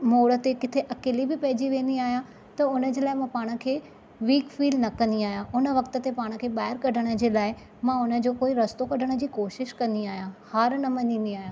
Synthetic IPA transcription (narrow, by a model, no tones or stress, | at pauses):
moːɽə̆t̪ekɪt̪ʰeʔɐkeːlibɪpɐɦɪd͡ʑiʋẽːnd̪iaːɦijã | t̪ɐʊnə̆d͡ʑeːlaːɪmãpaːɽ̃ə̆kʰeː | ʋiːkfiːlnɐkɐ̃nd̪iaːɦijãʔʊnə̆ʋɐkt̪ə̆t̪epaːɽ̃ə̆kʰeːɓaːɦɪɾkɐɖʱəɽ̃ə̆d͡ʑeːlaːɪ | mãʊnə̆d͡ʑoːkoːiɾɐst̪okɐɖʱəɽ̃ə̆d͡ʑiːkoːʃɪʃkɐ̃nd̪iaːɦijãhaːɾnɐmɐ̃ɲĩːnd̪iaːɦjãː